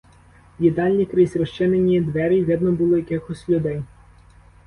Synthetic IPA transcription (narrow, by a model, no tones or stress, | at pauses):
jid̪ɑlʲnʲikɾɪsʲɾɔʃt͡ʃɪnenʲid̪ʋɛɾʲiʋʲɪd̪nɔbʊlˠɔjɐkɪxɔsʲlʲʊd̪ɛj